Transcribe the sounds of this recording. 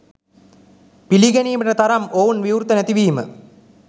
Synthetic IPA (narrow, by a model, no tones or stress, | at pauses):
piliɡeniːməʈət̪ɐɾɐmowunʋiwɾut̪ːənæt̪iʋiːmə̰